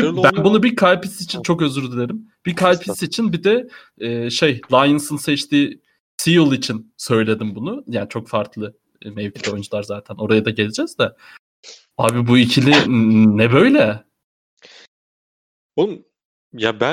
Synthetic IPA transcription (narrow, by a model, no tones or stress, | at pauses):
bæbunubiɾkʰalʲpisit͡ʃʰint͡ʃʰo̞kø̞zyɾd̪ilʲeɾimb̥iɾkʰalʲpʰisit͡ʃʰinbid̪ɛ | ɛːʃe̞jlˠajɯnsɯnsɛt͡ʃt̪ʰiː | sijulˠit͡ʃʰinsø̞jlʲe̞d̪imbunujaːnit͡ʃʰo̞kfaɾkʰlˠɯ | mɛvcʰid̪ɛo̞jynd͡ʒulˠaɾzaːt̪ʰæno̞ɾajad̪aɟe̞lʲed͡ʒɛz̥d̪a | aːbibuicʰilʲinɛbø̞jlʲɛ | olˠum | jabæ